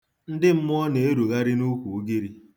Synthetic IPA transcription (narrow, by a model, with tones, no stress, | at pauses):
n̩˦dɪ˦m̩˦mʊ˦ɔ˦ne˨e˦ɾu˨ɣa˦ɾɪ˦nu˦kʷu˨u˦ɡi˦ɾi˦